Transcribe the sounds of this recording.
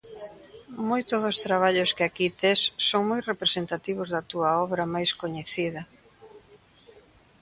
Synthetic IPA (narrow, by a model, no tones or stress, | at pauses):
mojt̪ʊðʊst̪ɾaβaʎʊskɪakit̪esːoŋmojrepɾesent̪at̪iβ̞ʊzðɐt̪uɐɔβɾɐmajskoɲeθiðɐ